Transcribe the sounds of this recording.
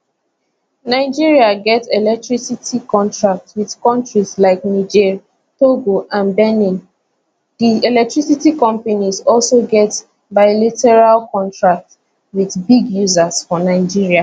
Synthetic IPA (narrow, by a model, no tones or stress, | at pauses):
naɪd͡ʒiɹiaɡɛtsɛlɛk̚tɹisitikɔ̃ntʰɹak̚twið̥kɔ̃ntɹizlaɪknid͡ʒɛɹ | toɡoʔãnbɛnĩn | diɛlɛk̚tʰɹisitikɔ̃mpanizɔlsoɡɛt | baɪlɛtɛɹalkɔ̃ntʰɹak̚t | wiðbiɡjuzaz̥fɔnaɪd͡ʒiɹia